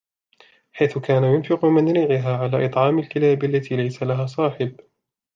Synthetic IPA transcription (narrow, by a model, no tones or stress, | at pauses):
ħajθʊkaːnajʊnfɪqʊmanɾɪːʕɪɦaːʕalaːʔɨt̪ˤʕɑːmalkɪlaːbalːat̪iːlajsalaɦaːsˤɑːħɪb